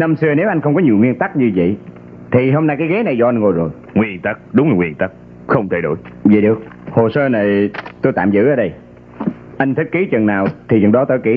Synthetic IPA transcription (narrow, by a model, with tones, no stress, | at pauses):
nə˧msɨ˧əne˨˦wʔa˧jŋ̟xə˧wŋ͡mkɔ˨˦ɲi˨˩wŋwi˧ənt̪a˦˥k̚ɲɨ˧və̰˧˨j | t̪ʰi˨˩ɦo˧mna˧jkaː˨˦jɣe˨˦na˨˩jzɔ˧ʔa˧n̟ŋo˨˩jzo˨˩j | ŋwi˧ənt̪a˦˥k̚ɗʊ˨˦ŋ͡mla˨˩ŋwi˧˩ənt̪a˦˥k̚ | xə˧wŋ͡mt̪ʰa˧˩jɗo̰˧˩˨jzḭ˧˨˩ɗɨ˨˩ək̚ho˨˩səː˧na˨˩jt̪o˧jt̪a̰ː˧˨mzɨ̰˧˥ʔəː˧˦ɗə˧j | ʔa˧jŋt̪ʰi˦˥t̚ki˨˦t͡ɕə˨˩nnaː˨˩wt̪ʰi˨˩zə̰˨˩nɗɔ˨˦t̪ə̰ː˧˩jki˨˦